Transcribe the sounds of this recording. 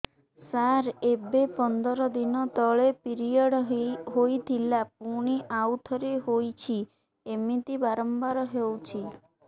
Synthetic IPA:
saɾebepɔnd̪ɔɾɔd̪inɔt̪ɔɭepiɾijɔɽɦojt̪ʰilap̚uɽ̃iʔawt̪ʰɔɾeɦojt͡ʃʰi | emit̪ibaɾɔmbaɾɔɦewt͡ʃʰi

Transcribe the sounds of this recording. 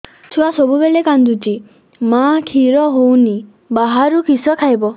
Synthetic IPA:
tʰuasɔbubelekand̪uti | makʰiɾɔɦowni | baɦaɾukisɔkʰajbɔ

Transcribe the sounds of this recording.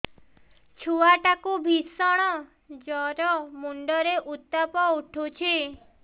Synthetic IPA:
t͡ʃʰuaʈakubʱisɔɽ̃ɔ | d͡ʒɔɾɔmuɳɖɔɾeʔut̪ːɔpɔuʈʰut͡ʃʰi

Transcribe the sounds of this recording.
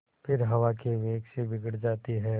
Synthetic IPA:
pʰɪɾɦɐʋakeʋeːksebɪɡɽd͡ʒaːt̪iɦɛː

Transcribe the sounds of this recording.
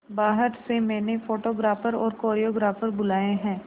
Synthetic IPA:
baːɦəɾsemɛːnefoːʈoːɡɾaːfəɾɔ̰ːɾkoːɾijoːɡɾaːfəɾbʊlaːeɦɛ̃ː

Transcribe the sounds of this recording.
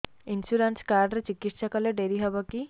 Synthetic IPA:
insuɾanskaɾɖɾet͡ʃikiʈʃɔkɔleɖeɾiɦɔbɔki

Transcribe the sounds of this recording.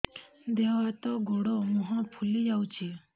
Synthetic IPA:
d̪eɦɔɦat̪ɔɡoɽɔmũɦɔ̃pʰulid͡ʒawt͡ʃʰi

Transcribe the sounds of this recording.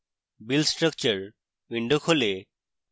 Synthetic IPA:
bilsʈɾək̚t͡ɕəɾ | ʋiɳɖokʰole

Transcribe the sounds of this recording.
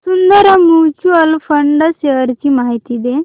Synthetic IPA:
sund̪əɾəmjut͡ɕuəlfəɳɖɕeəɾt͡ɕimaɦit̪id̪e

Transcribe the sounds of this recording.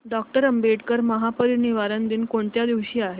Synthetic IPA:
ɖɔk̚ʈəɾəmbeʈkəɾməɦapəɾiniʋaɾənd̪iːnkoɳt̪jad̪iʋɕiːaɦe

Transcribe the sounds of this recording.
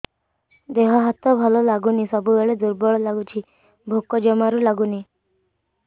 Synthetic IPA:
d̪eɦɔɦat̪ɔbʱɔlɔlaɡunisɔbʱuʋeɭed̪uɾbɔɭɔlaɡut͡ɕʰi | bʱokɔd͡ʒɔmaɾulaɡuni

